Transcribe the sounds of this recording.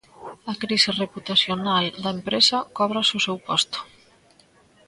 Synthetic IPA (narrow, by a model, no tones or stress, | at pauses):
akɾisireput̪asjonald̪aempɾesakɔβ̞ɾasusɛwpɔst̪u̥